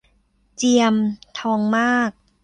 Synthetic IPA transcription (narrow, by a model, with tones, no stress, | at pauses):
t͡ɕi˧əmt̪ʰɔː˧˥ŋmaː˥˩k̚